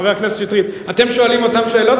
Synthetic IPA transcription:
ʁeaknesetʃit̪ʁitat̪e̞mʃo̞alimo̞t̪amʃeeːlo̞t

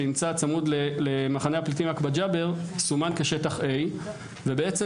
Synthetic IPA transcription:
eimt͡sat͡samudlelemaχanehaplit̬imakbad͡ʒabe̞ʁsumankeʃetaχʔe̞j | vebeet͡se

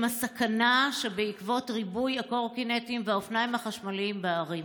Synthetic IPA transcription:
masakanaʃebeikvo̞tʁibujako̞ʁkinetimveaofnaimaχaʃmalimbeaʁim

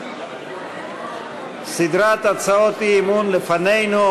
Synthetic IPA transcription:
sid̪ɾat̪ɐt͡saot̪imunlefɐnejno

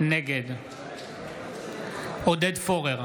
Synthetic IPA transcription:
nɛɡɛd̪ | ɔd̪ɛd̪fɔʁɛʁ

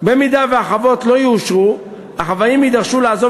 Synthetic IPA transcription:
be̞midaveaχavo̞tlo̞juːʃʁu | haχavajimid̪aʁʃulaːzo

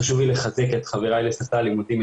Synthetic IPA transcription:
aʃuvileχazeketχaveʁajlesaftaːlimudim

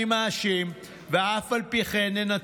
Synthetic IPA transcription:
imaːʃim | veafalpiχenːena

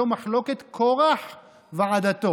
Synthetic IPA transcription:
omaħloket̪kʰoʁaħ | veʕad̪at̪o

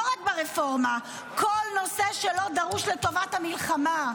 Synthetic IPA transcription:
oʁakbeʁefo̞ʁma | kolno̞se̞ʃelo̞d̪aʁuʃleto̞vathamilχama

